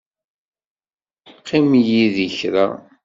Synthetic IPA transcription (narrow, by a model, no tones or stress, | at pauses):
qːimjiðiçɾa̰